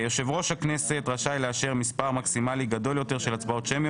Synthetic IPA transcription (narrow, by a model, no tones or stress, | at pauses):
joʃe̞vʁo̞ʃhakne̞se̞t̪ʁaʃajleaʃeʁmispaʁmaksimaliɡado̞ljo̞te̞ʁʃe̞lat͡sbao̞tʃemj